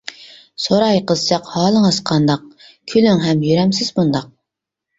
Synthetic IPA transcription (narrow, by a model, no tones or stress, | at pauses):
soɾɑjqəzɨt͡ʃɑqhɑːlˠəŋəzqʰɑnd̪ɑq̚ | kʲʰylyŋɦɛmjyɾɛmsɪzbund̪ɑq̚